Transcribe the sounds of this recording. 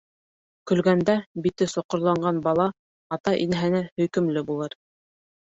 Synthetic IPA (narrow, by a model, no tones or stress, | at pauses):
kɵ̆lɡænd̪æbit̪ɘsŏqŏɾlˠɑɴɢɑnbɑlˠɑ | ɑt̪ɑʔinæɦænæhɵ̆jkɵ̆mlɘbulˠɤɾ